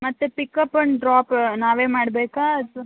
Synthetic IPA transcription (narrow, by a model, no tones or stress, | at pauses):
mɐt̪ːepikːɐpːɐɳɖɾaːpnaːʋeːmaːɽbeːkaːɐd̪